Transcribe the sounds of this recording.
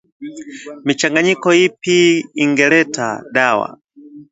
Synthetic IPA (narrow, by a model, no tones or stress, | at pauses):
mit͡ʃaŋɡaɲikɔipiːŋɡɛlɛtʰa̰ɗawa̰